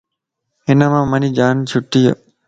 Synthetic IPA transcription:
ɦɪnəmãːməniːd͡ʒaːnt͡ʃʰʊʈːija̰

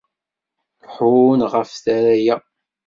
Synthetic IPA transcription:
ħʊnʁəfθæɾæjæ

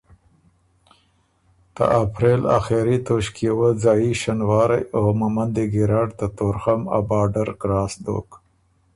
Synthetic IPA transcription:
t̪ə̰ʔapɾela̰xeɾit̪oʃkjewəd͡zɑːiʃanwɑɾajomamand̪eɡiɾaɖt̪at̪oɾxama̰bɑːɖaɾɡɾɑːsd̪o̰k

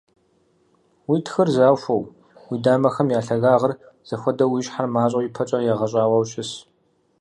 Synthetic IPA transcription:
wiːtʰxɨrzaːwɕʷɐw | wiːdaːmɐxɐmjaːɬɐɣaːʁɐr | z̥ɐxʷɔdɐwiːɕħarmaːɕʼɐwjipʰɐt͡ʃʼɐjɛʁɐɕʼaːwɐwɕʼɪs

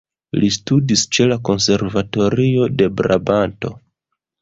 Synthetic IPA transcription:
listudist͡ʃe̞lako̞nse̞ɾvato̞ɾio̞de̞bɾabanto̞̰

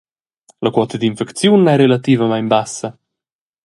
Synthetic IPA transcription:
lɐkwɔt̪əd̪infɛkt̪t͡sjunɛɾelat̪iːvəmajmbasə

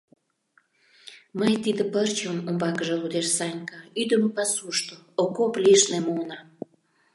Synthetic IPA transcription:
məjt̪id̪ə̆pərt͡ɕomombɑkəʒĕud̪eʃsɑnʲkɑyd̪əmpɑsuʃt̪ookoplʲeʃnemonɑ

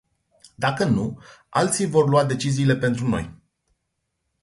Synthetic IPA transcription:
d̪akənua̰lt̪sijvo̞rluad̪e̞t͡ʃiziːle̞pe̞nt̪ɾuno̞̰j

